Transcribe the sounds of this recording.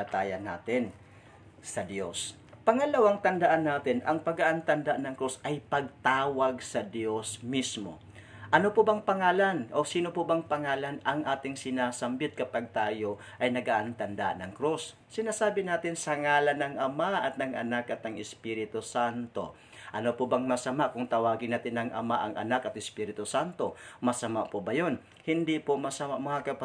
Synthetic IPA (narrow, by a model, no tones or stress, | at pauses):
ɐt̪aːjɐnːa̰ːt̪ɪn | sɐd̪jo̞̰s | pɐŋɐlɐwaŋt̪ɐnd̪ɐʔanːaːt̪ɪnɐŋpɐɡaʔant̪ɐnd̪aʔanɐŋkɾusʔɐjpɐɡ̚t̪aːwɐɡsɐd̪jo̞smismo̞̰ | ʔɐnopobaŋpɐŋaːlanʔosiːnopobaŋpɐŋaːlanɐŋʔaːt̪ɪŋsɪnaːsɐmbɪt̪̚kɐpaɡ̚t̪aːjo̞ | ʔɐjnɐɡaʔant̪ɐnd̪anɐŋkɾusː | ɪnasaːbɪnaːt̪ɪnsɐŋaːlanɐŋɐmaʔɐt̪̚nɐŋʔɐ̰nakɐt̪ɐŋɪspiɾɪt̪ʊsant̪o̞̰ | ʔɐnopobaŋmɐsɐmaʔkʊŋt̪ɐwaːɡɪnaːt̪ɪnɐŋʔɐ̰maʔɐŋʔɐ̰nakɐt̪̚ɪspiɾɪt̪ʊsant̪o̞mɐsɐmaʔpobajon | hɪnd̪ipomɐsɐmaʔmɐŋakɐpa